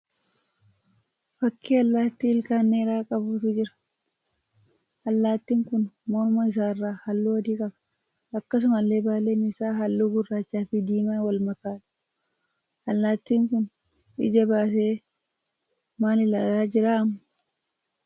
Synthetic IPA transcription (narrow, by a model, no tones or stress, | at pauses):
fɐkːiːɐlːaːt̪ːiːɪlkaːnːeːɾaːkʼɐbuːt̪ʊd͡ʒɪɾɐ̥ | ʔɐlːaːt̪ːiːŋkʊnmɔɾmɐɪs̬aːɪrːaːhɐlːuːwɔd̪iːkʼɐbɐ̥ | ɐkːɐs̬ʊmɐlːe̞ːbaːleːnɪsaːɦɐlːuːɡʊrːaːt͡ʃːaːfɪd̪iːmaːwɐlmɐkaːᶑ̪̥ | ʔɐlːaːt̪ːiːŋkʊn | ʔɪ̰d͡ʒɐbaːseː | maːlɪlaːlaːd͡ʒɪɾaːɐm